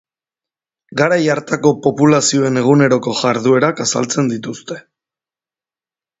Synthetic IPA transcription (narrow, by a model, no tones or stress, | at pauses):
ɡaɾajaɾt̪ako̞po̞pulasio̞e̞ne̞ɣ̞une̞ɾo̞ko̞ʝaɾðue̞ɾakasa̰lt͡se̞nd̪it̪ust̪e̞